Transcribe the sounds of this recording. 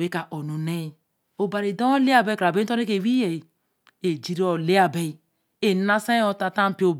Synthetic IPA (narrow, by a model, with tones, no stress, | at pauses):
we˦ka˨ʔo˨nu˨ne˦ | o˨ba˨ɾi˨do˦o˦le˦a˨be˦kɾa˨be˦to˦ne˦ke˨wi˦je˨ | e˨d͡ʒi˦ɾo˨le˦a˨be˦˨ | e˨˦na˦sa˦o˨ta˨ta˦m̩˦pi˦o˨